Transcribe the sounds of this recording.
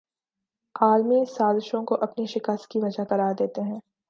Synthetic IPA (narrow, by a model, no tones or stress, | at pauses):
aːlmisaːzɪʃõkoʔɐpniʃɪkəst̪̚kiʋɐd͡ʒakɐɾaːd̪eːt̪eɦɛ̃ː